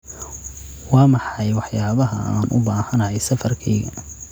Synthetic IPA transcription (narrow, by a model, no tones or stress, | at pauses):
wɑːmɑħɑjwɑħjaːβɐɦɐa̰ːnʔʊ̰baːhɐnɐjɛjsɐfɐrkʰɛːɣɐ̰